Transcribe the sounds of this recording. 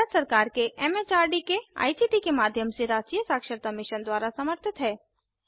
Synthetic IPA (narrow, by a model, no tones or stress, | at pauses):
əd̪sɐɾkaːɾkeʔɛmet͡ʃaːɾɖikea̰ːisiʈikemaːd̪ʱjəmseɾaːd͡ʒkijəsaːkʃəɾt̪amɪʃənd̪waːɾasɐməɾt̪ʰɪt̪ɦɛː